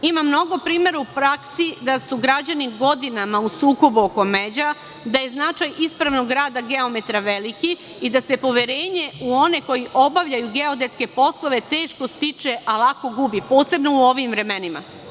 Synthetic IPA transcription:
imamːno̞ɡo̞pɾiːme̞ɾuupɾaksid̪asuɡɾad͡ʑaniɡo̞d̪inamausuːko̞buoko̞me̞d͡ʑa | d̪aje̞znat͡ʃajispɾaʋno̞ɡɾaːd̪aɡe̞o̞met̪ɾaʋe̞liki | id̪ase̞po̞ʋe̞ɾe̞ːɲe̞uo̞ne̞ko̞jiʔo̞baʋʎajuɡe̞o̞d̪e̞t̪ske̞po̞slˠo̞ʋe̞t̪e̞ːʃko̞st̪it͡ʃeʔalˠako̞ɡubipo̞ːse̞bno̞uo̞ʋimvɾe̞me̞nima̰

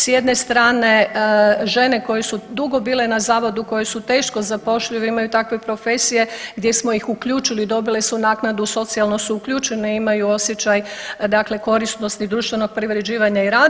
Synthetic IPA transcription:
sje̞d̪ne̞st̪ɾaːne̞ | ʒe̞ne̞ko̞je̞sud̪uɡobiːle̞nazaːʋo̞d̪uko̞jesut̪e̞ːʃkozapo̞ʃʎauʋeimajut̪akʋe̞pɾo̞fe̞sije̞ɡd̪je̞smo̞ixukʎuːt͡ʃilid̪o̞bile̞sunaːknad̪uso̞t̪sialˠno̞suukʎuːt͡ʃe̞neimajuo̞sjet͡ʃajd̪akle̞ko̞ɾisno̞st̪id̪ɾuːʃt̪ʋe̞no̞ɡ̚pɾiʋɾe̞d͡ʑiːʋaɲaiɾaː

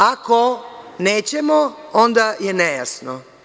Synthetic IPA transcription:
akoneːt͡ɕemoond̪ajenejasno

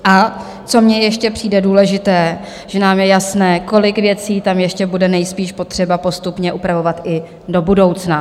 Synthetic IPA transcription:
ʔa | t͡so̞mɲɛjɛʃcɛpr̥iːdɛduːlɛʒɪt̪ɛː | ʒ̥ɛnaːmjɛjasnɛːko̞lɪkvjɛt͡siːt̪amjɛʃcɛbudɛnɛjspiːʃpo̞t̪r̝̥ɛbapo̞st̪upɲɛʔupɾavo̞vat̪ʔɪ | do̞budo̞wt͡sna

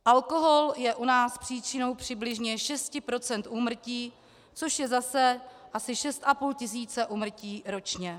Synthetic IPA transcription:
ʔalko̞ɦo̞ljɛʔunaːspr̝̥iːt͡ʃɪno̞wpr̝̥ɪblɪʒɲɛʃɛscɪpɾo̞t͡sɛnt̪ʔuːmr̩ciː | t͡soʃjɛzasɛʔasɪʃɛst̪ʔapuːlcɪs̬iːt͡sɛʔuːmr̩ciːɾo̞t͡ʃɲɛ

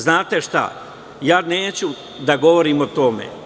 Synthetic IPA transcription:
znaːt̪e̞ʃt̪a̰ | jaːneːt͡ɕu | d̪aɡo̞ʋoɾiːmot̪o̞mḛ

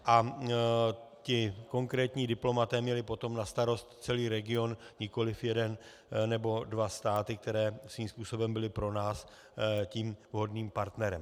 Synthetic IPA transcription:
ʔa | cɪko̞ŋkɾɛːt̪ɲiːdɪplo̞mat̪ɛːmɲɛlɪpo̞t̪o̞mnast̪aɾo̞st̪t͡sɛliːɾɛɡɪo̞nɲɪko̞lɪfjɛdɛn | nɛbo̞dvast̪aːt̪ɪk̚t̪ɛɾɛːsviːmspuːso̞bɛmbɪlɪpɾo̞naːs | ciːmvɦo̞dniːmpaɾt̪nɛɾɛm

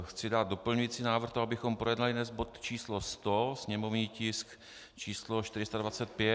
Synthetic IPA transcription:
xt͡sɪdaːd̪̚dopl̩ɲujiːt͡siːnaːvr̩xt̪oabɪxo̞mpɾojɛdnalɪdnɛzbo̞t̪t͡ʃiːslo̞st̪osɲɛmovɲiːcɪsk | t͡ʃiːsloʃt̪ɪɾɪst̪advat͡sɛt̪̚pjɛ

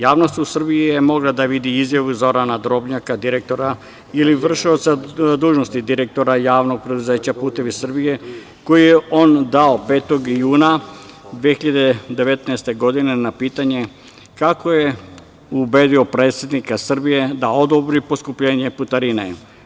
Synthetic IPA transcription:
jaːʋnost̪usr̩biijemo̞ɡlˠad̪aʋid̪iizjaʋuzo̞ɾanad̪ɾo̞bɲakad̪iɾek̚t̪o̞ɾa | iliʋr̩ʃiot̪sad̪uːʒnost̪id̪iɾek̚t̪o̞ɾajaːʋno̞ɡ̚pɾe̞d̪uze̞ːt͡ɕapuːt̪e̞ʋisr̩bije̞ | ko̞jijeʔo̞nd̪aope̞ːt̪o̞ɡjuːnad̪ʋiexiʎad̪ed̪e̞ʋe̞t̪naest̪e̞ɡo̞d̪ine̞napiːt̪aɲe̞ | kako̞je | ube̞d̪io̞pɾe̞ːt̪sʲjed̪nikasr̩bije̞d̪aod̪obɾipo̞skupʎe̞ːɲe̞put̪aɾinḛ

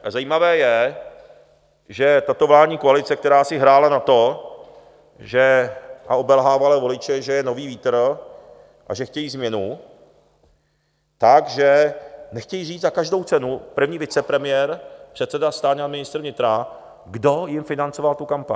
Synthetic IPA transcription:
azajiːmavɛːjɛ | ʒɛt̪at̪o̞vlaːdɲiːkoalɪt͡sɛk̚t̪ɛɾaːsɪɦɾaːlanat̪o̞ | ʒɛʔao̞bɛlɦaːvalɛːvo̞lɪt͡ʃɛʒɛjɛno̞viːviːt̪r̩ | ʔa̰ʒɛxcɛjiːzmɲɛnu | t̪aɡʒɛnɛxcɛjiriːd͡zzakaʒdo̞wt͡sɛnupr̩vɲiːvɪt͡sɛpɾɛmɪjɛːɾpr̝̥ɛt̪t͡sɛdast̪aːɲamɪnɪst̪r̩vɲɪt̪ɾa | ɡdo̞jɪmfɪnant͡so̞valt̪ukampa̰ɲ

